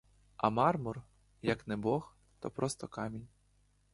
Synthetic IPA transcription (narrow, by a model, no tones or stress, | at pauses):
ɐmɑrmʊr | jɐknɛbɔx | t̪ɔ̰pɾɔst̪ɔkɑmʲinʲ